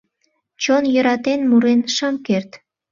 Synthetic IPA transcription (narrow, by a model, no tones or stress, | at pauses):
t͡ɕonjəɾɑt̪enmuɾenʃəmkert̪